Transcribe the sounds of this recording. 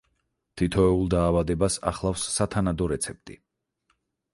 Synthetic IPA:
t̪ʰit̪ʰɔɛulˠd̪aːvad̪ɛbasa̰χlˠafsːat̪ʰanad̪ɔɾɛt̪sʰɛp̚t̪ʼḭ

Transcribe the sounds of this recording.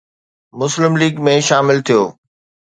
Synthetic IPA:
mʊslɪmliːɡmẽʃaːmɪlt̪ʰijoː

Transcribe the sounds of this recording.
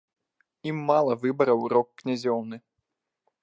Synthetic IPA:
imːalˠɐvɨbɐɾɐwɾɔkːnʲazʲɔwnɨ

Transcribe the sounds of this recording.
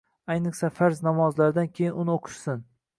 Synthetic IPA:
ajnɨχsafaɾznɒmɒzlaɾɪd̪ankʲʰe̞jɪnʊnɪoqʰʊ̥ʃsɪn

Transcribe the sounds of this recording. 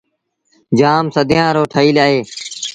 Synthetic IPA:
d͡ʒaːmsəd̪ʱɪjãːɾoːʈʰəiːlaːɦeː

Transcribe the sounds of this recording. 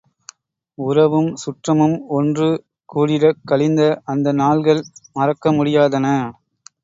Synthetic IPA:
ʊɾɐʋɯmsʊʈrɐmɯmɔndrɯ | kuːɽɪɾɐkːɐɭɪnd̪ɐʔɐnd̪ɐnaːɭɣɐɭmɐrɐkːɐmʊɽɪjaːðɐnɐ

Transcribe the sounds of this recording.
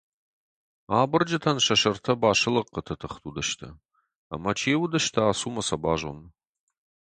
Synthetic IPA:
aːbɨrd͡ʒɐtʰɐnʃɐʃɐrtʰɐbaːʂɨlɐqːətʰɐtʰɨχtʰudɐʃtʰɐ̰ | a̰mɐt͡ʃʰeːwdɐʃtʰɐaːsuːmɐsɐbaːʒo̰n

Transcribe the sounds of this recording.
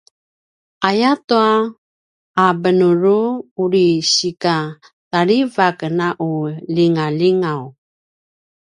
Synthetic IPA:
ajatuaː | bənuɾuuɾiɕika | taɾivakənaʔuliŋaliŋaw

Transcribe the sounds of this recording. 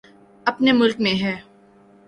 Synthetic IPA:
ɐpnemʊlkmẽɦɛː

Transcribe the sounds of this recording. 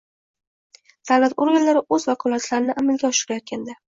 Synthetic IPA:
d̪̥awlat̪oɾɡanlaɾɪʔɵzvakʰɒlˠat̪laɾɪnɪʔamalɡʲaɒʃɪɾajɒt̪̚kʲʰand̪a

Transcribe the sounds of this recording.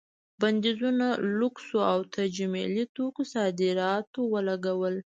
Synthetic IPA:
band̪izunaluksoawt̪ʰad͡ʒamḛlit̪okosɑd̪ɪɾɑt̪owəlaɡawəl

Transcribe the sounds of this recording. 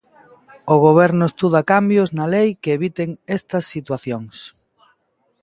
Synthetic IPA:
ʊɣ̞oβ̞ɛɾnʊest̪uð̞ɐkambjoznɐlejkeeβit̪eŋest̪ɐsːit̪waθjoŋs

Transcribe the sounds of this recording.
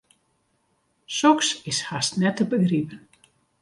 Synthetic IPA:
sɔksɪshastnɛtəbəɡripən

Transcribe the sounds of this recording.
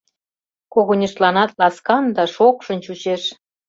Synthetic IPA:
koɣonʲiʃt̪lɑnɑt̪lɑskɑnd̪ɑʃokʃə̆nt͡ɕut͡ɕeʃ

